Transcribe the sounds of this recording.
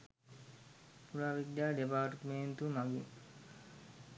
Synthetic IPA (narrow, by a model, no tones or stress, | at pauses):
puɾaːʋid̪jaːɖepaːʈʈment̪umaɡḭn